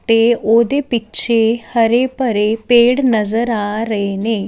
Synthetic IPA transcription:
t̪eod̪epitːt͡ʃʰehəɾepəɾepeːɽnəzəɾaːɾəɦene

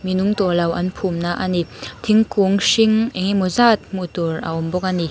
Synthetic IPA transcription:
minuŋt̪ulɐwʔɐnpʰumnaʔanit̪ʰiŋkuŋsiŋʔɛŋimɔzat̪̚mut̪urɐ̰ʔɔmbɔk̚ani

